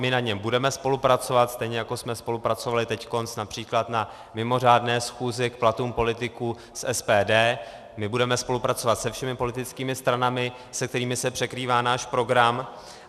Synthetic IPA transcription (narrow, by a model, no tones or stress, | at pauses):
mɪnaɲɛmbudɛmɛspo̞lupɾat͡so̞vat̪st̪ɛjɲɛjako̞smɛspo̞lupɾat͡sovalɪt̪ɛcko̞nsnapr̥iːklat̪na | mɪmo̞r̝aːdnɛːsxuːzɪkplat̪uːmpo̞lɪt̪ɪkuː | sʔɛspɛːdɛː | mɪbudɛmɛspo̞lupɾat͡so̞vat̪sɛfʃɛmɪpo̞lɪt̪ɪt͡skiːmɪst̪ɾanamɪ | sɛkt̪ɛɾiːmɪsɛpr̥ɛkɾiːvaːnaːʃpɾo̞ɡɾam